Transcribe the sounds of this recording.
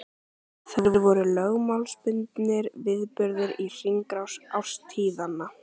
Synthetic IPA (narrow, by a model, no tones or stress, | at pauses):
θavɾvɔɾʏlœɣmawlspʏnt̪nɪɾvɪðpʏɾðɪɾir̥iŋkɾawsawst̪ʰiːðanːa